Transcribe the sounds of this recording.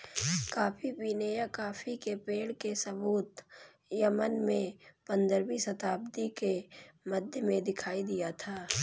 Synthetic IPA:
kaːfʰipiːnejakaːfʰikepeːɽkesɐbuːt̪ | jəmənmẽpə̃nd̪əɾbisɐt̪aːb̚d̪ikeməd̪ʱjəmẽd̪ɪkʰaːid̪ijat̪ʰaː

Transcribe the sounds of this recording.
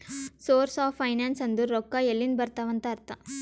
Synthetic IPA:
soːɾsaːpʰɐjnaːnsɐnd̪uɾɔkːɐelːinbɐɾt̪aʋɐnt̪ɐːɾt̪ɐ

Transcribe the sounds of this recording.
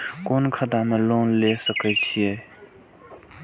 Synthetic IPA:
koːnkʰəd̪amẽloːnlesəkət͡ʃʰijeː

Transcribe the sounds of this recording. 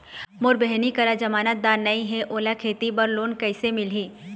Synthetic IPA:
mʊɾbɛɦnikɐɾad͡ʒɐmaːnət̪̚d̪aːɾnɐĩɦɛʔoːlakʰeːt̪ibɐɾloːnkɐɪsemɪlɦiː

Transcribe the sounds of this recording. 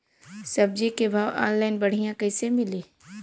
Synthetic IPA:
sɐb̚d͡ʒikebʱaːʋa̰ːnlaːɪnbɐɽ̤ijãkɐɪsemɪleː

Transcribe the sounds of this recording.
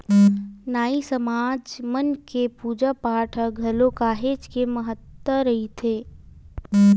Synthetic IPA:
naːisəmaːd͡ʒmənkepuːd͡ʒapaːʈʰəɡʱɐlokaːɦeːd͡ʒkeməɦət̪wəɾəɦit̪ʰeː

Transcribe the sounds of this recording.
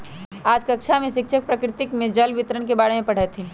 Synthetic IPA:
aːd͡ʒkɐkʃʰamẽʃɪkʃʰək̚pɾəkɾɪt̪ɪkmẽd͡ʒɐlʋɪt̪ɾəɽ̃kebaːɽemẽpɐɽ̤aet̪ʰĩ

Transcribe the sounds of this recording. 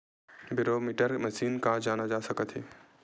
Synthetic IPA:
bɪɾoːmiːʈəɾmɐʃiːnkad͡ʒaːnad͡ʒaːsɐkət̪ɦeː

